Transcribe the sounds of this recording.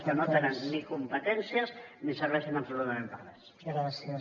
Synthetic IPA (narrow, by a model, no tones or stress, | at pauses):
skənot̪enənnikumpət̪ɛnsiəznisəɾβɛʃəmɐpsulut̪ɐmẽmpəɾmes | ɡɾas